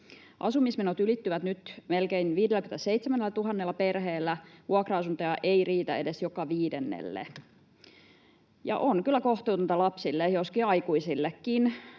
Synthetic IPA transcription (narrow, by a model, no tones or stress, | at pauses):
ʔɑsumismenot̪ylit̪ːyʋæt̪nyt̪melkeinʋiːdelːˑækymnæt̪æseit̪semænːelːæt̪uɦɑnːelːɑperheːlːæʋuɑkrɑɑsunt̪ɑjɑʔeiriːt̪æ̰edesjokɑʋiːdenːḛlːḛ | jɑ̰ʔonkylːækoht̪uːt̪unt̪ɑlɑpsilːejoskiɑikuisilːekːin